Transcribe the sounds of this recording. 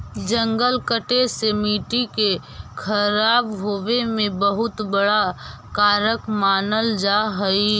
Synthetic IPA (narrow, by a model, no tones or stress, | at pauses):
d͡ʒə̃ŋɡəlkəʈesemiːʈikekʰəɾaːbɦoːwemẽbəɦʊt̪bəɽa | kaːɾəkmaːnəld͡ʒaɦəi